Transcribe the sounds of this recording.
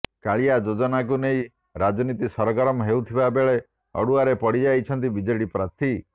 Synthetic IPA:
kaɭiad͡ʒod͡ʒɔnak̬uneĩ | ɾad͡ʒɔnit̪isɔɾɔɡɔɾɔmɔɦeut̪ʰibabeɭe | ɔ̰ɽuaɾepɔɽid͡ʒajt͡ʃʰɔnt̪ibid͡ʒɔjɽipɾat̪ʰi

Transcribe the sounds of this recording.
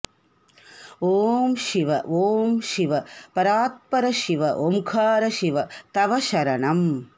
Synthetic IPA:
oːmʃiʋɐ̰oːmʃiʋɐpɐɾaːt̪̚pɐɾɐʃiʋɐʔomkʰaːɾɐʃiʋɐt̪ɐʋɐʃɐɾɐɳɐm

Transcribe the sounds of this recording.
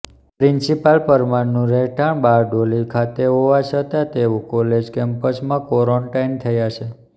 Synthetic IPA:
pɾinsipalpəɾmaɾnũɾɛʈʰaɳbaɾɖolikʰat̪eɦoʋat͡ʃət̪at̪eʋũkoled͡ʒkɛmpəsmãkɔɾoɳʈaint̪ʰəjat͡ʃʰe

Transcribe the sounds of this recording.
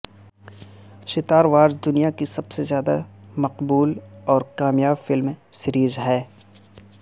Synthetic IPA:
ʃɪt̪aːɾʋaːɾzd̪ʊnijakisɐbsezjaːd̪a̰mɐqbuːlɔːɾkaːmjaːbfɪlmsɪɾiːzɦɛː

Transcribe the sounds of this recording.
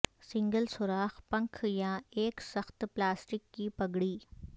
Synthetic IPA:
sɪ̃ŋɡəlsʊɾaːxpɐ̃ŋkʰjaeːksɐxt̪plaːsʈɪkːipɐɡɽiː

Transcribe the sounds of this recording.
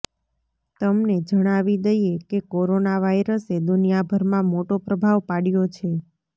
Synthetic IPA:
t̪əmned͡ʒəɽ̃aʋid̪əjekekoɾonaʋaiɾəsed̪ʊnijabʱəɾmãmoʈopɾəbʱaʋpaɽjot͡ʃʰe

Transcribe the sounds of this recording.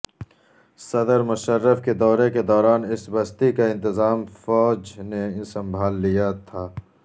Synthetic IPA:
sɐd̪əɾmʊʃəɾːəfked̪ɔːɾeked̪ɔːɾaːnɪsbɐst̪ikaɪ̃nt̪ɪzaːmfɔːd͡ʒnesɐ̃mbʱaːlːijat̪ʰaː

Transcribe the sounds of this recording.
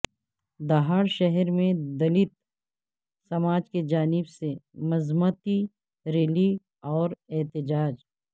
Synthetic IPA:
d̪aɦaːɽʃɛɦɛɾmẽd̪ɐlɪt̪̚ | sɐmaːd͡ʒked͡ʒaːnɪbsemɐzmuːt̪i | ɾeːli | ɔːɾeːt̪ɪd͡ʒaːd͡ʒ

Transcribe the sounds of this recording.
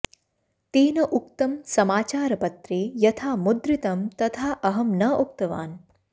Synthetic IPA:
t̪iːnɐʔuk̚t̪ɐmsɐmaːt͡ʃaːɾɐpɐt̪ɾijɐt̪ʰaːmud̪ɾit̪ɐmt̪ɐt̪ʰaːʔɐɦɐmnɐʔuk̚t̪ɐʋa̰ːn

